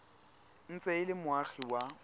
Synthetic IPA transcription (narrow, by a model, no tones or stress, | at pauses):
n̩t͡sʼɛɪlɪmʊaɣiwa